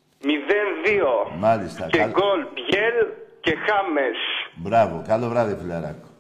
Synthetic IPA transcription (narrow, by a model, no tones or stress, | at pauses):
miðenðiomalist̪akɡolbjelkexamesbɾaβokaloβɾaðepulaɾa̰ko̥